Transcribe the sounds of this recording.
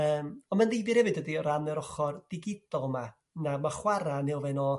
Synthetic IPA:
əːmɔnmandðejvɨr̥ɾhɛvɨdədiɔɾanɛɾɔχɔrd̥ɪɡɪdɔlˠma | namaχwaɾanɛwvɛnɔ

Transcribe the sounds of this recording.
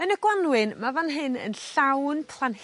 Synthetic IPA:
ənəɡ̥wanwɪnmavanɦɨnə̰nɬawnpʰlˠan

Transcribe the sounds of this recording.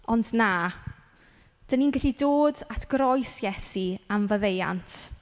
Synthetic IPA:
ɔndnaː | d̥əninɡɪɬidoːdatʰɡ̥ɾɔjsjɛsiamvəðeja̰ntʰ

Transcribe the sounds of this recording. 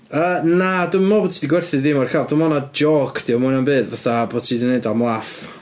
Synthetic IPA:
əːnadɪmːɔboːtʰiːdiɡwɛrθɨðimɔrkʰavdɪmɔnad͡ʒɔːkʰd̥iɔmʊnambɨːdvaθabo̥ːtʰiːdineɨdamlˠaf

